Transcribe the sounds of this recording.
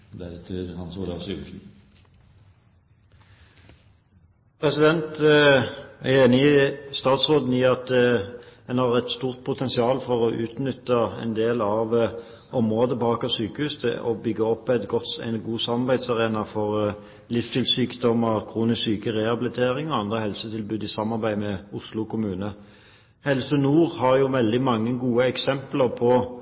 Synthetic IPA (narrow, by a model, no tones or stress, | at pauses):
d̪æɾt̪ʰɪhɑnsulɑfsʉʂn̩ | pʰʁɛsɪd̪ɛnt̪ | æeːnɪst̪ɑːt̪sʁoːd̪n̩jiːʁɑt̪ | hɛnhɑːʁɛt̪st̪uːʁt̪̚pʰʊt̪ʰɛnsɪɑːlfɔʁɔʔʉːt̪nʏt̪ːəɛ̰nd̪eːlɑʋ | ɔmʁoːd̪əbɑːkɑsyːkəhʉːst̪ʰɛ̰ɔbʏɡːəɔpːɛt̪ɡɔt̪æ̰ɪnɡuːsɑmɑʁbæɪd̪sɑʁeːnɑfɔʁ | lɪfst̪ʰɪlsyːkd̪ɔmːəʁkʰʁuːnɪsyːkəʁɛhɑbɪlɪt̪ʰeːɾɪŋɔɑnd̪ʁəhɛlsət̪ʰɪlbʉːd̪ɪsɑmːɑʁbæɪmɛʊslʊkʰʊmʉːnə | hɛlsənuːʁhɑʁjʊʋɛld̪ɪmɑŋːəɡuːəɛksɛmpləʁpʰɔ